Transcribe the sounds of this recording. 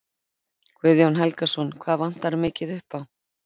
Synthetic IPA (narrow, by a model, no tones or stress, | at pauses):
kʰvɪðjawnɦɛlkasɔnkʰv̥aːðvan̥t̪aɾmɪːcɪðʏhpaw